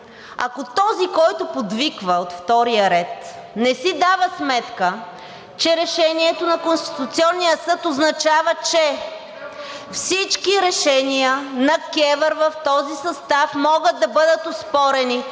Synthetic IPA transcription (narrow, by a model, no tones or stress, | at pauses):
ɐ̰kot̪ɔzikɔjt̪ʊpod̪vikvəot̪ft̪ɔɾijəɾɛt̪ | nɛsid̪avəsmɛt̪kə | t͡ʃɛɾɛʃɛniɛt̪onɐkonst̪i̥t̪ʊt̪siɔnːijəsɤt̪oznɐt͡ʃavət͡ʃɛ | fsit͡ʃkiɾɛʃɛnijənɐkɛvəɾvɐft̪ɔzisɐst̪afmɔɡəd̪̚d̪ːɐbɤd̪ət̪ospɔɾɛni